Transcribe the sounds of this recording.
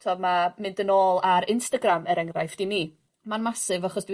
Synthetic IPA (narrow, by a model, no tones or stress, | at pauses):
tʰoːbmamɨndənoːlˠaɾɪnstaɡraməɾɛŋrajfd̥iniː | manmasɨvaχɔsd̥w